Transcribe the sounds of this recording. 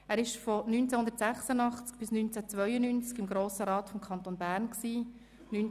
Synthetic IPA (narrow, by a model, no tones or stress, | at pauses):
æːɾɪʃfɔnyːnt͡sɛhʊnd̪əɾtsæχsənɑχt͡sk̚b̥ɪsnynt͡sɛt͡sʋœʏənynt͡skɪmɡɾoːsəɾɑːt̪fɔmkʰɑnt̪onbæːɾnksiː | nyn